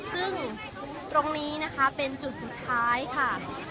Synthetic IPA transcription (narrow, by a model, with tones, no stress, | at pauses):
sɯ˥˩ŋ | t̪ɾo˧ŋniː˦˥na˦˥kʰa˦˥pe˧nt͡ɕu˨˩t̪̚su˨˩t̪ʰːaː˦˥jkʰa˥˩